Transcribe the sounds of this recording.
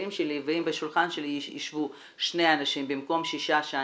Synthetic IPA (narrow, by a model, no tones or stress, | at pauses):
imʃeliveimbeʃulχanʃeliḭʃvu | ʃnejanaʃimbimko̞mʃiʃaʃa